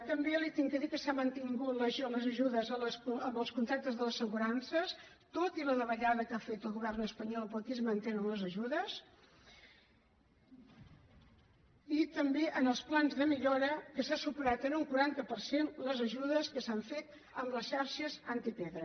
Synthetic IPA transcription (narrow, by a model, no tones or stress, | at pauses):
t̪əmbelit̪iŋkəðikəsamənt̪iŋɡut̪ləʒləzəʒuðəzəəsəmbəlˠskunt̪ɾak̚t̪əzðələsəɣuɾansəs | t̪ot̪iləðəβəʎaðəkafet̪əlˠɣuβɛrnəspəɲɔlˠpok̪izmənt̪enənləzəʒuðəs | it̪əmbeʔənəlˠsplanzðəmiʎɔɾəkəsasupəɾat̪ənuŋkuɾant̪əpəɾsenləzəʒuðəskəsaɱfet̪ | əmləsʃarʃəzant̪ipeðɾə